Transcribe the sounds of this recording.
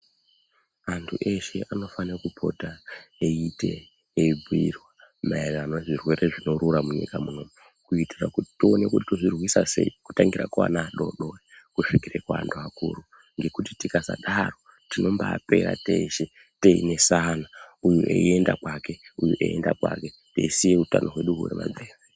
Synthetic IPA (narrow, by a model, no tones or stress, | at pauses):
antʰuʔe̞ʃe̞ano̞fanekupʰo̞̰taeite̞ː | bʱirwamaeranoeʐirwe̞ɾe̞ʐino̞ɾuɾamuɲḭkamuno̞mu | kuitirakuti̥tone̞kutitoʐirwisase̞̰iku̥taŋɡira̰kuwa̰naːɗo̞ɗoekuʂikirekua̰ndoakṵːɾu | ŋɡe̞kutitikaza̰ɗaro̞ | tino̞mbaːpe̞ɾa̰teːʃe | teine̞sanaujuʔḛe̞ndakwake̞ujuʔḛjendakwa̰ke̞ | teisijeutanʔo̞ɦwe̞ɗuɦurḛma̰d͡zeːri